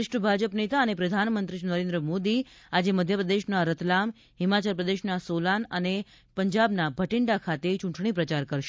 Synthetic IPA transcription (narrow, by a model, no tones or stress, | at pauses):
ʃʈəbʱad͡ʒəpnet̪aənepɾəd̪ʱanmənt̪ɾiʃnəɾẽnd̪ɾəmod̪i | ad͡ʒeməd̪ʱjəpɾəd̪eʃnaɾət̪lam | ɦɪmat͡ʃəlpɾəd̪eʃnasolanəne | pəɲd͡ʒabnabʱəʈɪɳɖakʰat̪et͡ʃũɳʈɳ̃ipɾət͡ʃaɾkəɾʃ